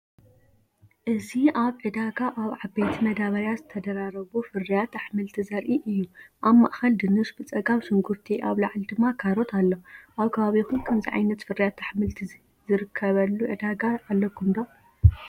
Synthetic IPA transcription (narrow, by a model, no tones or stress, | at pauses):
ʔɨziaβʕɨd̪aɡaʔaβʕabejt̪ʰimɐd̪aβɐɾjazɨt̪ʰɐd̪ɐɾaɾɐβufɨrːijat̪ːaħmɨlt̪ʰizɐɾʔiʔɨjːuʔaβma̰ʔxɐld̪ɨnɨsbɨt͡sʼɐɡaβsɨŋɡuɾt̪ʰiʔaβlaʕld̪ɨmːakʰaɾo̞t̪ʰalːoʔaβkʰɐβaβixunkʰɐmziʕa̰jnɐt̪fɨrijat̪aħmɨlt̪ʰi | zɨɾɨkʰːɐβɐlːuʕɨ̰d̪aɡaːlːɐkʰːumd̪o